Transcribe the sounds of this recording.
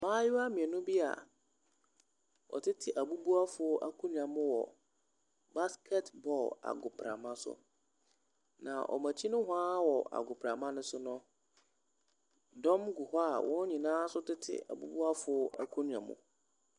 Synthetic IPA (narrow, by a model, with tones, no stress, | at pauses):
mãː˦jɪ˦a˦mĩ˨ɛ˨nʊ̃˦bi˦a̰˨ | wɔ̰˨tʰɪ˦tʰɪ˨ʔa˨bu˦bu˦a˦fʊ˨˦ʔa˦kʰũ˦n˨ã˨mʊ̃˦wɔ̰˨ | ba˦skʰɛ˦tbɔ˨la̰˨ɡʊ˨pʰɾa̰˨mã˦sʊ̰˦˨ | nã̰˨ʔɔ̰˨mã˨t͡ɕʰi˦nʊ̃˦hʊ˦aː˦wɔ˨ʔa̰˨ɡʊ˨pʰɾa˨mã˦nʊ̃˦sʊ˦nɔ̃˦ | dɔ̃˦mɡʊ˨ha˦a̰˨wʔɔ̃˦ɲĩ˨nãː˦sʊ˦tɪ˦tʰɪ̰˨a̰˨bu˦bu˦a˦fʊ˨˦ʔa˦kʰu˦n˨ã̰˨mʊ̰̃˨